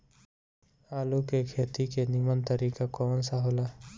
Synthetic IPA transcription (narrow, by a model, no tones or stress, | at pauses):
aːlukekʰeːt̪ikenimənt̪əɾiːkakonsaɦola